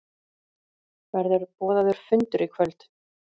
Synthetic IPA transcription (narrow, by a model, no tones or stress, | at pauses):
vɛɾðʏɾpɔːðaðʏɾ̥fʏnt̪ʏɾikʰvœlt̪